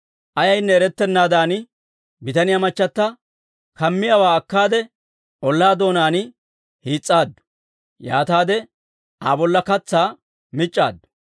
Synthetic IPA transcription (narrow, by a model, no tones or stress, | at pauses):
ʔɐjɐjnːɛɛɾɛt̪ːɛnːaːd̪aːnɪ | bɪt̪ɐnɪjamɐt͡ʃːɐt̪ːɐ | kɐmːɪjɐwaːɐkːaːd̪ɛ | ʔɔlːaːd̪o̞ːnaːnɪ | hiːt͡sʼːaːd̪ːʊ̥ | ja̰ːt̪aːd̪ɛ | ʔaːbɔlːɐkɐt͡sːaː | mɪt͡ʃʼːa̰ːd̪ːʊ̥